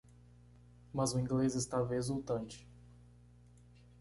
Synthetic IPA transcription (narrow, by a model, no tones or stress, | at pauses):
mɐzʊĩŋɡlezɪst̪avezut̪ɐ̃nt͡ʃɪ̥